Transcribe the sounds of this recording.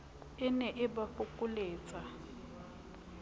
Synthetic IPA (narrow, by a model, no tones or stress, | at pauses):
ɪnɛʔɪbafʊkʼʊleːt͡sʼa